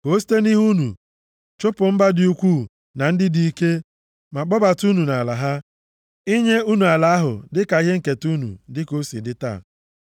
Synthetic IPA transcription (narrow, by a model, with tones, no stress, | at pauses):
ko˨˦s̬i̥˦te˦ni˦ɦu˦nṵ˨ | t͡ʃʊ˦pʊ˨m̩˦ba˦di˨u˦kʷu˦˨ | na˨n̩˦dɪ˦di˨i˦ke˦ | ma˨k͡pɔ˦ba˨tu˦nu˨na˨la˨ɦa˦ | i˦ɲe˦u˦nu˨a˨la˦a˦ɦʊ̰˨dɪ˦ka˨i˦ɦe˦ŋ̩˨ke˨tu˦nṵ˨dɪ˦ko˦sḭ˨dɪ˦ta̰˦˨